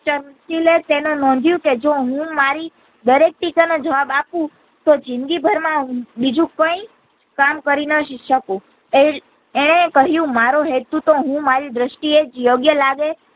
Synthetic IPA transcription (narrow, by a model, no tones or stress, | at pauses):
t͡ʃəɾmʃilet̪enunɔ̃nd̪ʱjũked͡ʒoɦũmaɾi | d̪əɾek̚t̪it͡ʃanod͡ʒəʋabapũ | t̪od͡ʒɪnɡ̪ibʱəɾmãɦũbid͡ʒũkə̃i | kamkəɾinəʃəkũ | e | eɽ̃ekəɦjũmaɾoɦet̪ut̪oɦũmaɾiɖɾəʃʈied͡ʒjoɡjəlaɡe